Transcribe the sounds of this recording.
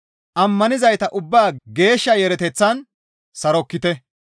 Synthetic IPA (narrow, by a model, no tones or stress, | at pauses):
ʔɐmːɐnɪzɐjt̪ɐʔʊbːaːɡe̞ːʃːɐjɛɾɛt̪ɛt͡sːɐn | sɐɾɔkːɪt̪ɛ